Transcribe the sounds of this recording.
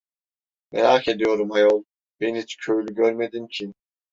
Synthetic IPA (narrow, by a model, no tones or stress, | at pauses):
meɾaːkʰed̪ijo̞ɾumajolˠ | b̥enɦit͡ʃcʰøjylʲyɟøɾmed̪imcʰi